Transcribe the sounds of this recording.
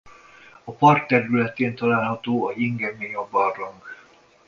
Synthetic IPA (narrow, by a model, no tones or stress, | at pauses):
ɒpɒrt̪ːɛɾylɛt̪eːnt̪ɒlaːlɦɒt̪oːɒiŋɡɛmeɲɒbɒrːoŋɡ